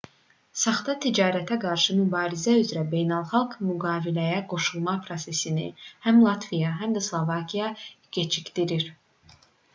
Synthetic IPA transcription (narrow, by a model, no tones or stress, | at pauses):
sɑχd̪ɑt̪ʰid͡ʒɑːɾæt̪ʰæɡɑɾʃɯmybɑːɾizæyzɾæbe̞jnælˠχɑlˠɡmyɡɑːvilæjæɡo̞ʃulˠmɑpʰɾo̞se̞sinḭhæmlˠɑt̪ʰvijɑɦæmd̪æslˠovɑkʰijɑɡ̥et͡ʃʰicd̪iɾiɾ